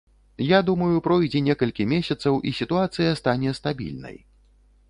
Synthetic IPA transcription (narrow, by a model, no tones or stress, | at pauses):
jad̪umɐjupɾɔjd͡zʲɛnʲɛkɐlʲkʲimʲesʲɐt̪sɐwʔisʲit̪uat̪sɨjɐst̪anʲɛst̪abʲḭlʲnɐ̰j